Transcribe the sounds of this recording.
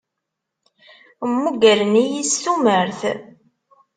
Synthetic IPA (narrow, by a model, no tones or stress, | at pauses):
mːuɡəlnijist̪uməɾθ